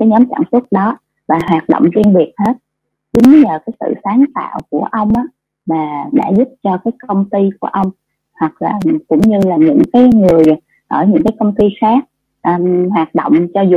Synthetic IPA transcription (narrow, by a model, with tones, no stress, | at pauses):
kaː˨˦jɲɔ˨˦mt͡ɕa̰ː˧˩ŋswu˦˥t̚ɗɔ˨˦ | vaː˨˩ɦwaː˨˩t̚ɗo̰˧˨wŋ͡mzwi˧nɓi˨˩ət̚he˦˥t̚ | t͡ɕʊ˨˦ŋ˨˦ɲəː˨˩kaː˨˦jsɨ̰˧˨saː˨˦nt̪a̰ː˧˨wku˧˩əʔə˧wŋ͡mʔaː˨˦ | vaː˨˩ɗa̰ː˧˥zʊ˦˥p̚t͡ɕɔ˧kaː˨˦jkə˧wŋ͡mt̪i˧ku˧˩əʔə˧wŋ͡m | hwa˨˩k̚laː˨˩kʊ̰˧˥wŋ͡mɲɨ˧laː˨˩ɲɨ̰˧˥ŋkaː˨˦jŋɨ˨˩əj | ʔəː˧˩ɲɨ̰˧˥ŋkaː˨˦jkə˧wŋ͡mt̪i˧xaː˦˥k̚ | ʔhwaː˨˩t̚ɗo̰˧˨wŋ͡mt͡ɕɔ˧zu˨˩